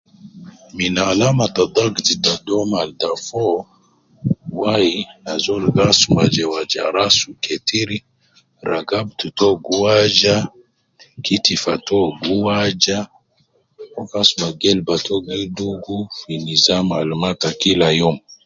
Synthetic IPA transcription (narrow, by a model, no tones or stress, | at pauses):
minalamatad̪aɡzitadɔmaldafɔ | wainazɔlɡasumad͡ʒɛwad͡ʒa̰ɾasukɛtʰiɾi | ɾaɡab̚tutɔɡuwad͡ʒa | kitifatɔɡuwad͡ʒa | ɔkasumaɡɛlbatʰɔɡiduɡufinizamalmatakilajɔm